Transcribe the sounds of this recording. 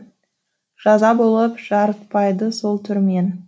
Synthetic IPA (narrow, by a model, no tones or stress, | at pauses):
ʒ̥ɑzɑbo̞lˠəpʒ̥ɑɾət̪̚pɑjd̪əso̞lˠt̪ʰʏɾme̞n